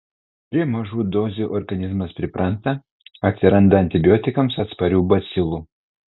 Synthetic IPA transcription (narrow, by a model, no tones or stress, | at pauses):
p̪ʲɾʲiɛmɐʒuːd̪ɔːzʲuʔɔɾɡɐnʲɪzmɐspʲɾʲɪpɾɐnt̪ɐ | ɐt̪ʲsʲɪɾɐnd̪ɐɐnʲt̪ʲɪbʲjoːt̪ʲɪkɐmsɐt̪spɐɾʲuːbɐsʲɪlˠu